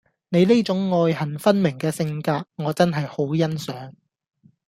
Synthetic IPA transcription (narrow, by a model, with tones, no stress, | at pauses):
ne˨˧jleː˥t͡sʊ˨˥ŋːɔː˧jhɐ˨˩nfɐ˥nmɪ˨˩ŋkɛː˧sɪ˧ŋkaː˧k̚ŋɔː˨˧t͡sɐ˥nɦɐ˨jho˨˥wjɐ˥nsœː˨˥ŋ